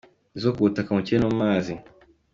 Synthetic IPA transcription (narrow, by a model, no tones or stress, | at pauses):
izokuutakamucienomaːzi